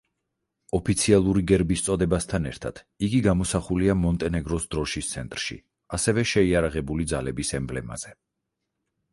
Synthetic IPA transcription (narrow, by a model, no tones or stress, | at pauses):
ɔpʰit̪sʰialˠuɾiɡɛɾbist̪sʼɔd̪ɛbast̪ʰanɛ̰ɾt̪ʰad̪̥ | iɡiɡamɔsaχuliamɔnt̪ʼɛnɛɡɾɔsd̪ɾɔʃist̪sʰɛnt̪ʼɾʃḭ | asɛvɛʃɛiaɾaʁɛbulid̪zalɛbisɛmblɛma̰z̥ɛ